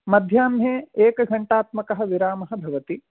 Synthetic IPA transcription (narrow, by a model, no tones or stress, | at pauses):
mɐd̪ʱjaːmjeːeːkɐɡʱɐɳʈaːt̪mɐkɐɦɐ̆ʋiɾaːmɐɦɐ̆bʱɐʋɐt̪i